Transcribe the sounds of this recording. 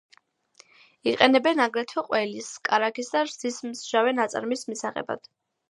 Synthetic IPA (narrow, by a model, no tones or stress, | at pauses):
iqʼɛnɛbɛnaɡɾɛt̪ʰɛqʼwɛliskʼaɾakʰisd̪aɾz̥ismsʒ̥avɛnat̪sʼa̰ɾmismisaχɛ̰ba̰d̪̥